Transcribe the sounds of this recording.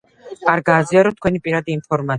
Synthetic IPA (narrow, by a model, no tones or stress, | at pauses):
aɾɡaːziaɾɔt̪ʰkwɛnipʼiɾad̪iːmpʰɔɾmat̪